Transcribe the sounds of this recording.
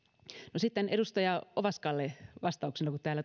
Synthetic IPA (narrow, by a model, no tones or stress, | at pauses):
nosit̪ːeneɾust̪ɑjɑoʋɑskɑlːeʋɑst̪ɑuksenɑkut̪t̪æːlːæ